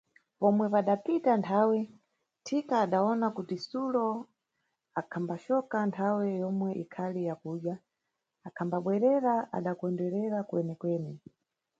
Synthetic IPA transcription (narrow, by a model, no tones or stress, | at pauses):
pɔmwɛpaɗapitantʰawɛ | tʰikaːɗaɔnakutisulɔ | akʰambaʃɔkantʰawɛjɔmwɛʔikʰalijakuːɗja | akʰambaɓwɛɾɛɾaʔa̰ɗakwɔndɛɾɛɾakuɛnɛkwɛːni